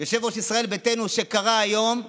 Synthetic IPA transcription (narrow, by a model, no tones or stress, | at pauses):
joʃevoʃisʁae̞lbet̪enuʃe̞kaʁaajo̞m